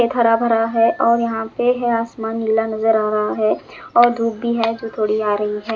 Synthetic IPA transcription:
et̪ʰaɾabʱɐɾaɦɛʔɔːɾjɐɦãpeɦɛaːsmaːnːilanɐzəɾaːɾɐɦaɦɛː | ɔːɾd̪ʱuːbbːiɦɛd͡ʒoːt̪ʰoːɽiaːɾɐɦiɦɛː

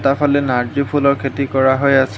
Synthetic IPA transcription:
tapʰɔlɛnaɹbipʰulɔɹkʰetikɔɹaɦojas

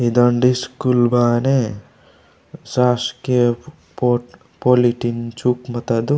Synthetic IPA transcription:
id̪ɐɳɖiskulbaːne | saːske | po | poliʈint͡ʃukmɐt̪ɐd̪u

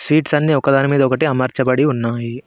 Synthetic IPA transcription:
sʋiːʈsɐnːiokːɐd̪aːnmiːd̪oːkɐʈiɐmɐɾt͡ʃɐpɐɽiɦunːaːɦi

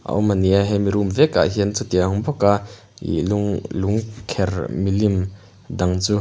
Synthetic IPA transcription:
ʔa̰ʔɔmaniaɦɛmiɾumvɛka̰ʔɦiənt͡sut̪iaɦʊmbɔka | ḭluŋluŋkʰɛrmilim | d̪aŋt͡su

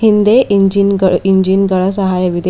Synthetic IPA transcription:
hind̪eʔiɲd͡ʑinɡiɲd͡ʑinɡəɭas̬əɦajəʋid̪

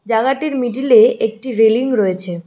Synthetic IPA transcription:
d͡ʑaɡaʈiɾmiʈ̬ileʔek̚ʈiɾeliŋɾɔet͡ɕʰe

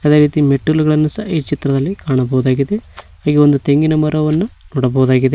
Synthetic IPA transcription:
ɐd̪e̞ːɾiːt̪imeʈːuluɡɐɭɐnːusɐit͡ʃit̪ɾɐd̪ɐlːikaːɳɐbɐɦud̪aːɡid̪e̞haːɡio̞nd̪ut̪e̞ŋɡinɐmɐɾɐʋɐnːunoːɽɐbɐɦud̪aːɡid̪e

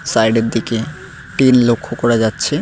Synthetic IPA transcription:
sajɖeɾd̪ike | ʈinlokʰːokɔɾad͡ʑatːɕʰe

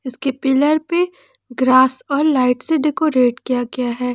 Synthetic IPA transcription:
ɪskepɪləɾpe | ɡɾaːsɔːɾlaːɪʈseɖekoːɾeːʈkijaɡɐjaɦɛː

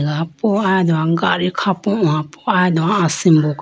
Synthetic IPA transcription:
ɡapɔad̪ɔãɡaɾikʰapɔ̃ãpɔad̪ɔãasĩmbɔk

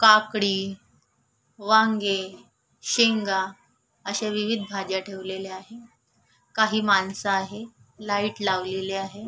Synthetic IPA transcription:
kakɽiː | ʋaŋɡe | ɕeŋɡa | əɕeʋiʋid̪ʱbʱad͡ʑjaʈʰeʋleleaɦe | kaɦiːmansaːɦelaiʈlaʋleleaɦe

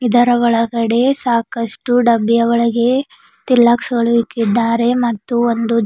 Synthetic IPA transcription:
id̪ɐɾɐʋɔɭɐɡɐɽe̞saːkɐʂʈuɖɐbːijɐʋɔɭɐɡe̞ | t̪ilːaksɐɡɐɭuʋikːid̪ːaːɾe̞mɐt̪ːuond̪u

